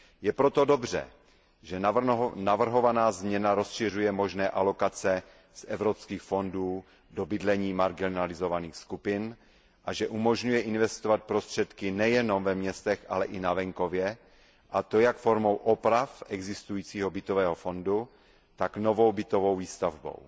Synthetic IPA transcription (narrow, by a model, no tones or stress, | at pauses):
jɛpɾot̪odobr̝ɛ̰ | ʒɛnavr̩ɦo̞vanaːzmɲɛnaɾo̞sʃɪr̝ujɛmo̞ʒnɛːʔalo̞kat͡sɛ | zɛvɾopskiːxfo̞nduː | dobɪdlɛɲiːmaɾɡinalɪzovaniːxskupɪn | ʔaʒɛʔumo̞ʒɲujɛʔɪnvɛst̪ovat̪̚pɾo̞st̪r̝̥ɛt̪kɪnɛjɛno̞mvɛmɲɛst̪ɛxʔa̰lɛʔɪnavɛŋko̞vjɛ | ʔat̪ojakfoɾmo̞wʔopɾafʔɛɡzɪst̪ujiːt͡siːɦobɪt̪ovɛːɦofo̞ndu | t̪aknovo̞wbɪt̪ovo̞wviːst̪avbo̰w